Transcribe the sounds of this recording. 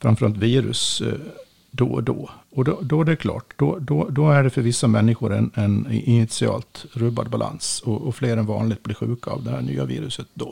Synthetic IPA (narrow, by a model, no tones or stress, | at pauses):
fɾamfœɾalt̪viːɾɵ̰s | d̪ɔd̪ɔɔd̪ɔd̪ɔd̪ɛækʰlɑ̰ːʈd̪ɔd̪ɔd̪ɔæɖɛfœɾvɪsːamɛnːɪɧʊɾɛ̰nɛnʔɪnɪt̪sɪɑ̰ːlt̪ɾɵbad̪̚bala̰nsɔɔfleːɾɛnvɑ̰ːnlɪɡt̪bliːɾɧʉ̟ːka̰ːvd̪ɛhæːɳy̰ːaviːɾɵsət̪̚d̪ɔ